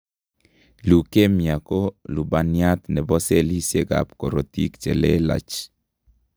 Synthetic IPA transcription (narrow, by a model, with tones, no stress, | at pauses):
lu˨ke˦mja˨ko˦lu˨ba˨nja˦t̪nɛ˨bɔ˦se˦li˦sje˦ɡa̰˨p̚ko˨ɾo˨t̪ḭ˦kt͡ʃɛ̰˨le˦la̰˨t͡ʃ